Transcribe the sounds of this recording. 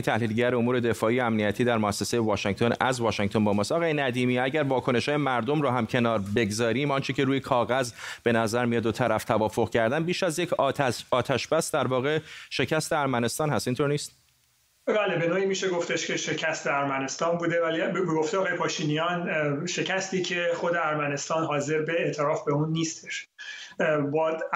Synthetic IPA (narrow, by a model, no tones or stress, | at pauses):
t̪ʰæhliːlɟæɾeomuːɾe̞d̪e̞fɒːijeæmnijæt̪ʰiːd̪æɾmoæsːesejevɒːʃeŋt̪ʰo̞næzvɒːʃeŋt̪o̞nbɒːmɒːst̪ɒɣʁɒːjenæd̪iːmiːæɟæɾvɒːkʰo̞ne̞ʃhɒːjemæɾd̪o̞mɾɔːɦæmcʰe̞nɒːɾbe̞ɡzɒːɾiːmɒnt͡ʃʰece̞ɾuːjekʰɒːɣæzb̥e̞næzæɾmijɒd̪ot̪ʰæɾæft̪ʰævɒːfoɣcʰæɾd̪ænbiːʃæzje̞cʰːt̪ʰæɒːt̪ʰæʃb̥æsd̪æɾvɒːɣe̞ʃe̞cʰæst̪eæɾmæne̞st̪ɒːnhæst̪int̪o̞ɾniːst̪ | bæːlebe̞noːiːmiːʃeɡo̞ft̪eʃcʰeʃecʰæst̪ʰeæɾmæne̞st̪ɒːnbuːd̪evælibeɡoftejɒːɣɒːjepʰɒːʃiːnijɒnʃe̞cʰæst̪iːcʰe̞xod̪eæɾmæne̞st̪ɒːnɦɒːze̞ɾbeeʔt̪ʰeɾɒːfbeuːnːiːst̪eʃ | bɒː